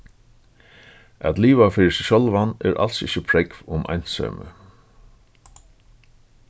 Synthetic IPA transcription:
a̰t̪liːʋafɪːɾɪsɛʃɔlʋanɛːɹʔa̰lsɪ̰çəpʰɹɛkvʊmʔa̰jn̥sœ̰ːmə̰

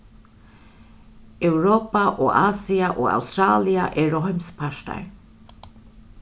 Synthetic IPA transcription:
ɛwɾoːpaʔoːʔaːsiaʔoːa̰wst̪ɾaːliaʔɛɹɔɦɔmspʰaʃt̪a̰ɹ

